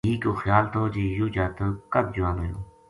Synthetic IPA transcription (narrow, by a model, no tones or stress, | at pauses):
iːkoːxjaːlt̪oːd͡ʒiːjuːd͡ʒaːt̪əkəb̪̚d͡ʒʊãːnoːjo̰ː